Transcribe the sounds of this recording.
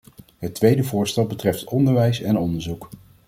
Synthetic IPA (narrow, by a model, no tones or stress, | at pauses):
ɦətːʋejdəvʊːɹstɛlˠbətrɛftʰɔndəɹʋɛjsɛnɔndəɹzuk